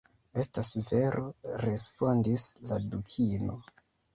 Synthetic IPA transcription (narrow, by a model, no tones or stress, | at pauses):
e̞stasve̞ɾʔo̞ɾe̞spo̞ndisladukʰino̞